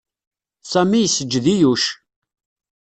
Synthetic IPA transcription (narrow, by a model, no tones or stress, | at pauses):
sæmijsːəd͡ʒːðijuʃ